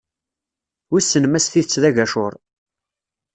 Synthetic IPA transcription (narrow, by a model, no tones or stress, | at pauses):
wisːənmæsθiθət͡sːðæʝæʃʊɾˤ